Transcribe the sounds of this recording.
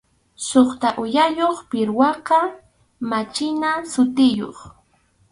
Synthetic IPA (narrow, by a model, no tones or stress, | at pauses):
soχt̪aʔʊjajoχpɪɾwɑqɑ | mat͡ʃɪnasʊt̪ɪjo̰χ